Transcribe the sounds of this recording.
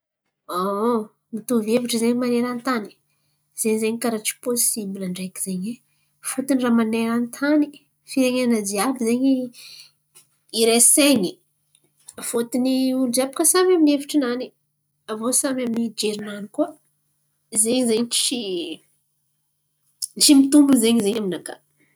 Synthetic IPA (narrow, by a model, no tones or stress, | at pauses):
o | mit̪uveviʈ͡ʂəzeɲimaneɾant̪ani̥ | z̥eɲzeɲkaɾaʈ͡ʂi̥posibilaɳɖ͡ʐeki̥z̥eɲe | fut̪iniramaneɾanit̪ʰani̥ | fiɾeɲeanad͡ziabizeɲi | iɾeseɲi | fot̪iniulud͡ʒiapḁkəsamaminefi̥ʈ͡ʂinani | avosamaminid͡ʒeɾinanikuə | zeɲizeɲt͡ʃi | t͡ʃimit̪umbuzeɲizeɲaminaka̰